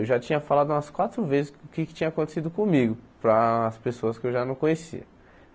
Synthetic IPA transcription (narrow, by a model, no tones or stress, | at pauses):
ewʒat͡ʃĩɲɐfalad̪ʊũmɐskwat̪ɾʊvezɪsʊkɪkɪ̥t͡ʃĩɐakõnt̪e̥sid̪ʊkõmiɡʊpɾɐːspesoɐskɪewʒanɐ̃w̃kõɲesḭɐ